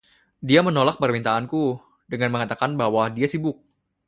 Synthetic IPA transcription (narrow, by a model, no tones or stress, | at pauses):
diamənolak̚pərmint̪aːnku | dəŋanməŋat̪akanbaɦwadiasibʊk̚